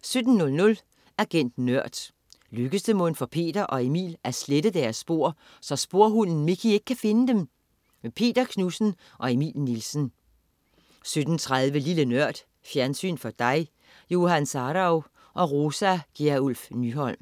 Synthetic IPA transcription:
sød̥n̩nɔ̽lnɔ̽l | æɡ̥en̰d̥nɶɐ̰d̥ | løɡ̥əsd̥əmɔ̽nfɒ̽pʰe̝̰ːd̥ɐʔɒ̽e̝mḭːlæɐsled̥əd̥æɐsːb̥o̝ɐ̰ | sɒ̽sb̥o̝ɐ̰ɦunn̩mikʰie̝ɡ̥ə̥kʰæfe̝nəd̥em | mepʰe̝̰ːd̥ɐkʰnusn̩ | ʔɒ̽e̝mḭːlnilsn̩ | sød̥n̩t͡sʰʁaðˠʋəlilənɶɐ̰d̥ | fjæɐnsy̰ːnfɒ̽d̥ɑ̈ɪ | jo̝ɦænsɑɾɑʊ | ʔɒ̽ʁoːsæɡ̥iulfnyɦɒ̽l̰m

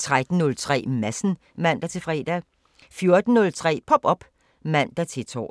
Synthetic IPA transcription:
t͡sʰʁad̥n̩nɔ̽lt͡sʰʁɛ̰ːmæsn̩ | mæn̰d̥æɐt͡sʰe̝fʁɛ̰ːd̥æ | fjo̝ɐd̥n̩nɔ̽lt͡sʰʁɛ̰ːpʰɒ̽b̥ɒ̽b̥ | mæn̰d̥æt͡sʰe̝t͡sʰɒ̰ː

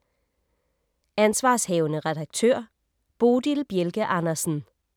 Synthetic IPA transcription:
ænsʋɑ̈ːshɛːʊnəʁɛd̥ɑ̈ɡ̥̚t͡sʰø̰ɐ̰ | b̥oːd̥ilb̥jelɡ̥əʔɑ̈nɐsn̩

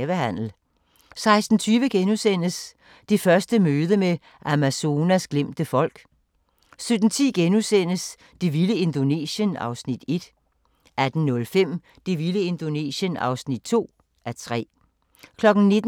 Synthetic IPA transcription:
ʋəhæn̰l̩ | sɑ̈ɪsd̥n̩t͡sʰyːʋəɡ̥enusen̰əs | d̥ifɶɐsd̥əmøːð̞ˠəme | ʔæmæso̝ːnæsɡ̥lem̰d̥əfɒ̽l̰ɡ̥ | sød̥n̩t͡sʰḭːɡ̥enusen̰əs | d̥iʋiləe̝nd̥o̝ne̝̰ːɕənɑ̈ʊsnid̥e̝d̥ | ʔæd̥n̩nɔ̽lfem̰ | d̥iʋiləe̝nd̥o̝nḛːɕənɑ̰̈ʊsnid̥̚t͡sʰo̝̰ː | ʔæt͡sʰʁɛ̰ː | kʰlɒ̽ɡ̥n̩ne̝d̥

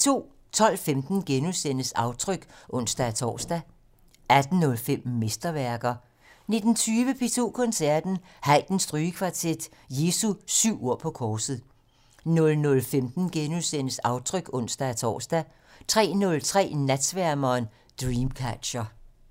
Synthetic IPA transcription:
t͡sʰo̝̰ː | t͡sʰɒ̽l̰femd̥n̩ɡ̥enusen̰əsɑ̈ʊt͡sʰʁœɡ̥ʔɔ̽n̰sd̥æt͡sʰɒ̰ːsd̥æ | æd̥n̩ːɔ̽lfem̰me̝sd̥ɐʋæɐɡ̥ɐ | ne̝d̥n̩t͡sʰyːʋəpʰe̝t͡sʰo̝̰ːkʰɔ̽nsæɐ̰d̥n̩ | hɑɪd̥n̩sd̥ʁyːəkʰʋɑ̈t͡sʰed̥ | je̝ːsusyʊ̰o̝ɐ̰pʰɒ̽kʰɒːsð̩ˠ | nɔ̽lnɔ̽lfemd̥n̩ɡ̥enusen̰əsɑ̈ʊt͡sʰʁœɡ̥ɔ̽n̰sd̥ææt͡sʰɒ̰ːsd̥æ | t͡sʰʁɛ̰ːnɔ̽lt͡sʰʁɛ̰ːnæd̥sʋæɐmɐːn | d̥ʁiːmkʰæd̥ɕɐ

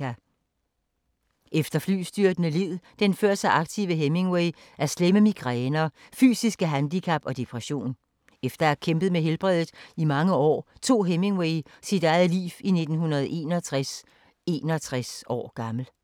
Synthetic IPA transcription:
æ | ʔefd̥ɐfly̰ːsd̥yɐ̰d̥nəlið̰ˠd̥enføɐsɑ̈ʔɑ̈ɡ̥̚t͡sʰiʊəɦeme̝ŋweɪ | ʔæɐsleməmiɡ̥ʁɛːnɐfy̰ːsisɡ̥əɦænd̥ikʰæb̥ɒ̽d̥e̝pʰʁɛɕo̝̰ːn | efd̥ɐæɐkʰemb̥ð̞̩ˠmeɦelb̥ʁɛð̰ˠð̩ˠimɑ̈ŋəɒ̰ːt͡sʰo̝̰ːɦeme̝ŋweɪsid̥ɑ̈ɪð̩ˠlḭːfine̝d̥n̩hunɐð̞̩ˠʔe̝̰ːnɐt͡sʰʁ | e̝ːnɐt͡sʰʁasɒ̰ːɡ̥ɑ̈ml̩

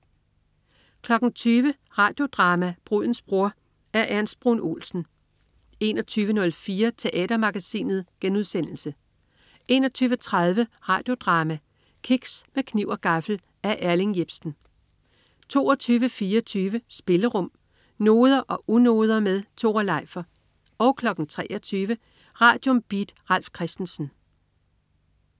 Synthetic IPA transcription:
kʰlɒ̽ɡ̥n̩t͡sʰyːʋə | ʁɑ̈ːd̥jo̝d̥ʁɑ̈ːmæb̥ʁuð̰ˠn̩sb̥ʁoɐ̰ | æɐʔænsb̥ʁunʔo̝̰ːlsn̩ | e̝nɒt͡sʰyːʋənɔ̽lfiːɐt͡sʰe̝ʔɛ̰ːd̥ɐmɑ̈ɡ̥æsḭːnð̞̩ˠɡ̥enuðˠsen̰l̩sə | e̝̰ːnɒt͡sʰyːʋət͡sʰʁɑð̞ˠʋəʁɑ̈ːd̥jo̝d̥ʁɑ̈ːmæ | kʰiɡ̥smekʰniʊɒɡ̥ɑ̈fl̩ | æɐʔæɐlinjeb̥sn̩ | t͡sʰo̝̰ːɒt͡sʰyːʋəfiːɐt͡sʰyːʋəsb̥e̝ləʁɔ̽m̰ | no̝ːð̞ˠɐʔɒ̽ʔuno̝ːð̞ˠɐmeðˠt͡sʰo̝̰ːɐlɑ̈ɪ̰fɐ | ɒ̽ʊkʰlɒ̽ɡ̥n̩t͡sʰʁɛ̰ːʔɒt͡sʰyːʋə | ʁɑ̈ːd̥jɔ̽mb̥id̥ʁɑl̰fkʰʁɛsd̥n̩sn̩

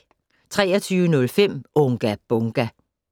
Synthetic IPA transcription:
t͡sʰʁɛ̰ːɐt͡sʰyːʊənɔ̽lfem̰ʔɔŋɡ̥æb̥ɔŋɡ̥æ

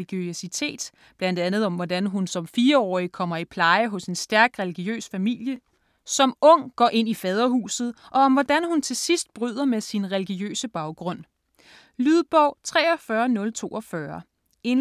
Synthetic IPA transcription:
iɡ̥øsit͡sʰe̝̰ːd̥ | b̥lænd̥ænð̞̩ˠɒ̽mʋɒdænɦunsɒ̽mfiːɐɒ̰ːikʰɒ̽m̰ɐipʰlɑ̈ɪəɦɔ̽se̝nsd̥æɐɡ̥ʁɛliɡ̥iø̰ːsfæmil̰jə | sɒ̽mɔ̽ŋ̰ɡ̥ɒ̰ːʔe̝n̰ifɛːð̞ˠɐhṵːsð̩ˠʔɒ̽ːmʋɒd̥ænhunt͡sʰe̝sisd̥̚b̥ʁyð̞ˠɐmesinʁɛliɡ̥iø̰ːsəb̥ɑ̈ʊɡ̥ʁɔ̽n̰ | lyðˠb̥ɒʊ̰t͡sʰʁɛ̰ːɒfɶːɐnɔ̽lt͡sʰo̝̰ːɒfɶːɐ | e̝n

